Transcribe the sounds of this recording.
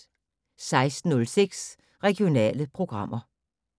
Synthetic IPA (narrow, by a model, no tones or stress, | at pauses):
sɑ̈ɪsd̥n̩ːɔ̽lseɡ̥s | ʁɛɡ̥io̝nɛ̰ːləpʰʁo̝ɡ̥ʁɑ̈m̰ʔɐ